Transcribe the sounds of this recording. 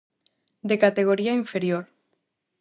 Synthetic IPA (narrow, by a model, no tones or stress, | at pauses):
d̪ekat̪eɣ̞oɾiaiɱfeɾjoɾ